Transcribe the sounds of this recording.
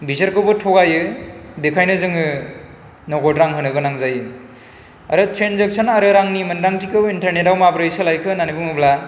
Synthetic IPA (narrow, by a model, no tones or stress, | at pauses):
bizaɾkʰɯbɯtʰɔɡajɯbekʰajnɯzɯŋɯ | nɔɡɔtɾaŋɦɯnɯɡɯnaŋzajɯ | a̰ɾɯtʰɾenzek̚sʰɔnaɾɯɾaŋnimɯndaŋtikʰɯwintɐɾnetawmabɾɯjsɯlajkʰɯnanibɯŋɯbla